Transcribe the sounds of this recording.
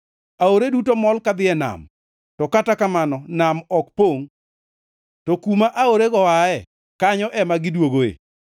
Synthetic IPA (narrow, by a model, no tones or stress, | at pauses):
aoɾedutomɔlkad̪ɪɛna̰m | tɔkatakamanɔnamɔkpoŋ | tɔkumaʔaoɾeɡɔwaɛ | kaɲɔʔɛmaɡɪdwoɡoḛ